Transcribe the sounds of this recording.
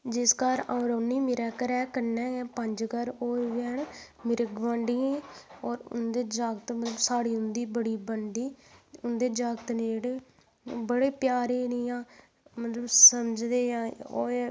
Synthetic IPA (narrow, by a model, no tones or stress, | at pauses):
d͡ʒɪskaːɾãːɾoːnːiːmɪɾɛːkəɾɛːkənːɛ̃ːpəɲd͡ʒkəɾoːʋɛːɳ | mɪɾəɡʋãːɳɖiːẽːɔːɾʊ̰nd̪eːd͡ʒaːɡt̪mət̪ləbsaːɽiːʊnd̪iːbəɽiːbəɳɖiːʊnd̪eːd͡ʒaːɡt̪neːd͡ʒeːɽeː | bəɽeːpjaːɾeːniːãː | mət̪ləbsəməd͡ʒd̪eːãːoː